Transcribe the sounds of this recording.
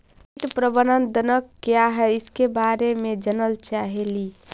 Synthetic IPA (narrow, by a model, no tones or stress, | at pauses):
ʈpɾəbənənd̪ənəkːjaɦɛiskebaɾemed͡ʒənəlt͡ʃaɦeli